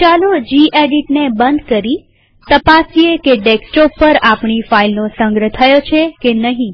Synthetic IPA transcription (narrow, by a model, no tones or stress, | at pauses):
t͡ʃalod͡ʒiʔeɖiʈnebənd̪kəɾi | t̪əpasiekeʈeksʈɔpːəɾapɳifailnosə̃ŋɡɾət̪ʰəjot͡ʃʰekenəɦĩ